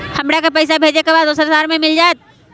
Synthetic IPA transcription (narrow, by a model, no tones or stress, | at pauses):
hɐmɽakapɛɪs̬abʱeːd͡ʒekebaːd̪osəɾsaːɾmẽmɪld͡ʒaːet̪̚